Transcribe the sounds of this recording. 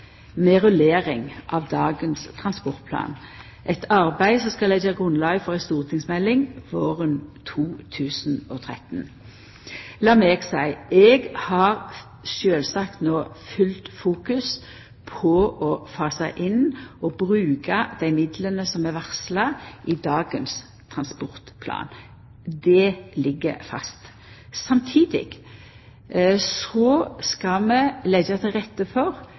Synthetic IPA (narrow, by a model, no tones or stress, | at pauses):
mɛʁʉleːʁɪŋʔɑʋd̪ɑːɡənst̪ʰʁɑnspɔʁt̪̚pʰlɑ̰ːn | ʔɛt̪ʰɑʁbæɪsɔmskɑlɛd͡ʒɑɡʁʉnlɑːɡfɔʁæɪnst̪uːʁt̪ʰɪŋsmɛlːɪŋʋoːʁənt̪ʰuːt̪ʰʉːsn̩ɔt̪ʰʁɛt̪n | lɑːmɛɡsæɪɛɡhɑʁ | ʃøːlsɑkt̪noːfʏlt̪fuːkʉs | pʰɔʔɔfɑːsæɪʔɪnɔbʁʉːkɑd̪æɪmɪd̪lənəsɔmɛʋæʁslɑʔɪd̪ɑːɡəns | t̪ʰʁɑnspɔʁt̪pʰlɑ̰ːn | d̪ɛlɪɡːə̰fɑ̰st̪ | sɑmt̪ʰiːd̪ɪ̰ɡ̥ | sɔskɑmɛlɛɡɑt̪ʰɛʁɛt̪ːəfɔʁ